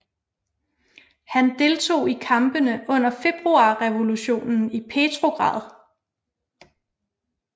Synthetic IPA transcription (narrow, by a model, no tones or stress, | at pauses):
hænd̥e̝lt͡sʰo̝̰ːikʰɑ̈mb̥ənəʔɔ̽n̰ɐfe̝b̥ʁuɑ̰̈ːʁɛʋo̝luɕo̝̰ːnn̩ipʰe̝ːt͡sʰʁo̝ɡ̥ʁɑ̰̈ːð̞ˠ